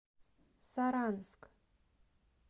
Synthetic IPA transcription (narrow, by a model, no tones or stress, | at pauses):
saɾanɨskʼ